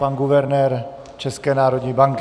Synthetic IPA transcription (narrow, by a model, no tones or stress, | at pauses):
anɡuvɛɾnɛːɾ | t͡ʃɛskɛːnaːɾodɲibaŋk